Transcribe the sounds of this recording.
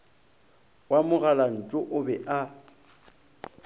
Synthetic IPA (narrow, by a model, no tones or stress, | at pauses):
wamʊɣalan̩t͡ʃʼʊʔʊbɛʔa